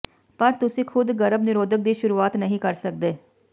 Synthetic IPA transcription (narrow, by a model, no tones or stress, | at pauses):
pəɾt̪ʊsĩːkʰʊd̪ɡəɾəbnɪɾoːd̪ək̚d̪iːʃʊɾuːaːt̪nəɦĩːkəɾsək̚d̪eː